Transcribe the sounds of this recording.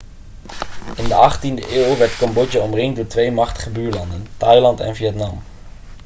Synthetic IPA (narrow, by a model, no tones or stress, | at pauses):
ɪndəʔɑχtindəʔeːlˠʋɛɹtkɑmbɔt͡ʃəɔmrɪŋdʊːɹtʋejmɑχtə̥χəbyːɹlɑndəntɑjlɑntɛ̰nvijɛtnɑm